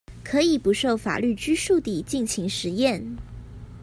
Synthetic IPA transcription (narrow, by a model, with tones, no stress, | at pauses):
kʰɤ˧˥i˨˩pu˧˥ʂo˥˩ʊfa̰˨˩ly˥˩t͡ɕy˥ʂu˥˧t̪i˨˩t͡ɕi˥˩ŋt͡ɕʰi˧˥ŋʂɻ̩˧˥jɛ˥˩n